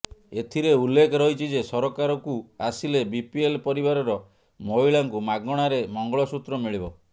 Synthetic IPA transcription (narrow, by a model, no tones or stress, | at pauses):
et̪ʰiɾeulːekʰɔɾɔɦit͡ʃʰid͡ʒesɔɾɔkaɾɔkuasilebipielpɔɾibaɾɔɾɔ | moɦiɭaŋkumaɡɔɽ̃aɾemɔŋɡɔɭɔsut̪ɾɔmiɭibɔ